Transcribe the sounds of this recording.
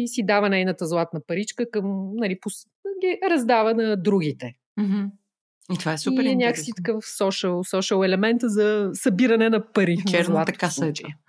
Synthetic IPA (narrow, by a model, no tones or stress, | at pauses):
sid̪avɐnɛjnət̪əzlˠat̪nəpɐɾit͡ʃkəkəmnɐlipʊs | ɡʲiɾɐzd̪avənɐd̪ɾuɡ̟it̪ɛ | m̩ɦ̩ | it̪vaɛsuiɛɾɛɲʲaksit̪ə̥kəfsɔʃəlˠsɔʃəlˠɛlɛmɛnt̪zɐsɐbiɾɐnɛnɐpɐɾit͡ʃɛɾnˠat̪ɐkasɐd͡ʒi